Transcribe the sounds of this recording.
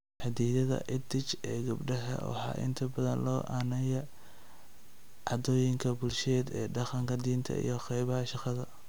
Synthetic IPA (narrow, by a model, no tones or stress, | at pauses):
ħɑd̪iːðɐðɐ̰ʔɪd̪ɪt͡ʃɛːɡɐbɖɐɦɐ̰wɑ̰ħɑ̰ːʔɪ̰nt̪ʰɐbɐðɐ̰nlɔːʔaːnɐjɛ | ʕɑd̪ɔːjɪŋkʰɐbʊlʃɛːd̪ɛːɖɑqɑŋkʰɐd̪iːnt̪ʰɐ̰ḭjɞqɛjβɐɦɐʃɑqɑðɐ